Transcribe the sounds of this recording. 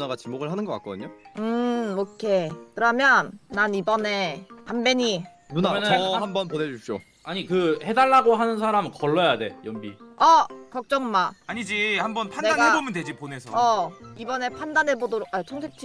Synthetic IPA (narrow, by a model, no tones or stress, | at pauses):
naɡat͡ɕimoɡɯɭɦanɯnɡʌk͈ak͈ʌdɯɲoɯokʰekɯɾʌmjʌnːanibʌne̞ambe̞ɲi | nunamʌnambʌnponed͡ʑuɕ͈o̰ | aɲikɯhe̞daɭːaɡoɦanɯnsʰaɾamɯkʌɭːʌjade̞jʌmbiʌkʌk̚t͡ɕ͈ʌŋmaaɲid͡ʑihambʌnpʰanedanɡɦebomɯndwe̞d͡ʑipone̞sʰʌʌibʌne̞pʰandanɦebodoɾoat͡ɕʰʌŋtʰep̚t͡ɕ͈ʰi